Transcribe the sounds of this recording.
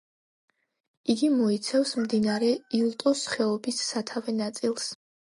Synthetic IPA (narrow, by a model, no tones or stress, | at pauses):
iɡimɔit̪sʰɛfsmd̪inaɾɛiulˠt̪ʼɔsχɛɔbisːat̪ʰavɛnat̪sʼilˠs